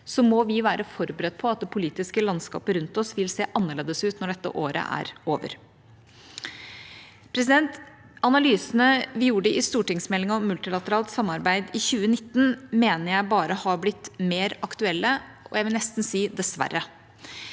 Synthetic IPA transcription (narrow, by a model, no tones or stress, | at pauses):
sɔmɔʋɪʋæːɾəfɔɾbɾət̪̚ːpʰɔɑt̪̚d̪ɛpʰʊliːt̪ɪskəlɑnskɑ̰ːpəɾʉnt̪ɔsʋɪlseːʔɑnːəɭeːd̪əsʉːt̪nɔɖɛt̪ːə̰ʔoːɾə̰ʔæ̰ɾoːʋə̰ɾ | pʰɾɛs̬ɪd̪ɛnt̪ | ɑnɑlyːsənəʋɪjuːɖəʔɪst̪uːʈɪŋsmɛlɪŋɔmːʉlt̪ɪlɑt̪əɾɑːlt̪sɑmːɑɾbæɪd̪ɪçʉːənɪt̪ːn̩meːnəɾjæɪbɑːɾəhɑɾblɪt̪ːmeːɾɑkt̪ʉɛlːəʔɔ̰jæɪʋɪlnɛst̪n̩siːd̪ɛsʋæ̰rːə